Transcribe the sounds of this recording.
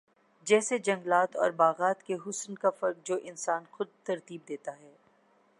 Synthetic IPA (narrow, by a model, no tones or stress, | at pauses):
d͡ʒɛːsed͡ʒɐ̃ŋɡlaːt̪ɔ̰ːɾbaːɣaːt̪keɦʊsnkafɐɾk̚d͡ʒoːʔɪnsaːnxʊd̪̚t̪ɐɾt̪iːb̚d̪eːt̪aɦɛː